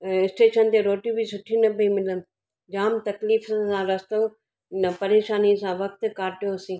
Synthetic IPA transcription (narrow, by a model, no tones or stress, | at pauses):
ɪsʈeːʃənt̪eɾoːʈjũbʱisʊʈʰinɐbʱĩmɪlənɪ̆ | d͡ʑaːmt̪ɐkliːfsãɾɐst̪o | nəpɐɾeːʃaːnisãʋɐk̚t̪kaːʈijoɐsĩː